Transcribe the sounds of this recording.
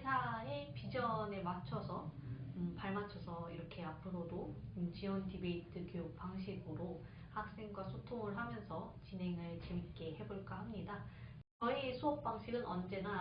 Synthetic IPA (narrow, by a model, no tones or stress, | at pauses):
sʰaepid͡ʑʌne̞mat͡ɕʰʌsʰʌɯpaɭmat͡ɕʰʌsʰʌiɾʌkʰe̞apʰɯɾodoɯt͡ɕiwʌndibeitʰɯkjojok̚p͈aŋɕʰiɡɯɾo | hak̚s͈e̞ŋɡwasʰotʰoŋɯɭɦamjʌnsʰʌt͡ɕinɦe̞ŋɯɭt͡ɕe̞mik͈e̞he̞boɭk͈ahamɲida | t͡ɕʌiesʰoʌp̚p͈aŋɕʰiɡɯnʔʌnd͡ʑe̞na